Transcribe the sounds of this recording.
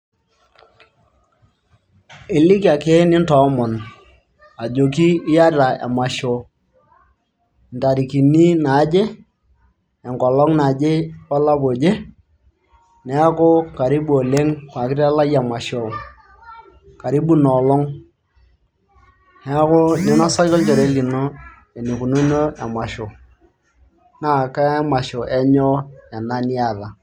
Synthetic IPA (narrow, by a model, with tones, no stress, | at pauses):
ɪ˨lɪ˦ka˨ke˦nɪ˦ntɔ˨˦mɔ˨n | a˨d͡ʒo˨ki˦ɪ˦ja˦ta˨ɛ̰˨ma˨ʃo˨˦ | n˨ta˨ɾi˨ki˨ni˦na˨˦d͡ʒe˦ | ɛ˨ŋkɔ˨lɔ˦ŋna˨d͡ʒe˦pa˦la˦po˨d͡ʒe˦ | nɛ˨˦a˦kʊ˦ka˨ɾi˦ɓu˦o˨le˦ŋkwa˨kɪ˦ɾa˦la˦ja˨ma˨ʃo˨ | ka˨ɾi˦bu˦nɔ˨lɔ˦ŋ | nɛ˨˦a˦ko˦ɲɛ˦na˦sa˦ɔ˦lt͡ʃɔ˨ɾe˦li˨no˦ | e˨ni˨ku˨nu˦ɲo˦a˨ma˨ʃo˨ | na˦˨ka˦ɛ˦ma˨ʃo˨ʔɛ˦ɲɔ˦ɛ˨na˦ni˦a˦˨ða˨